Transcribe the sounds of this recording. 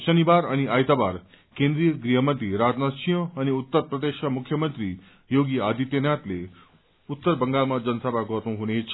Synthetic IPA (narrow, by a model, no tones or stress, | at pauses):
ɕənibaɾʌniʔajt̪abaɾ | kẽnd̪ɾijəɡɾiɦəmənt̪ɾiɾad͡znasijə̃ːniut̪ːəɾprəd̪eʃamukʰːjəmənt̪ɾi | joɡiad̪it̪jənjat̪le | ut̪ːəɾbəŋɡalmad͡zʌnsəbʱaɡʌɾnũɦunet͡sʰ